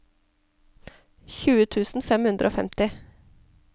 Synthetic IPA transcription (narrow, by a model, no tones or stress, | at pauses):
çʉːət̪ʰʉːsn̩fɛmhʉnd̪ɾʔoːfɛ̰mt̪ɪ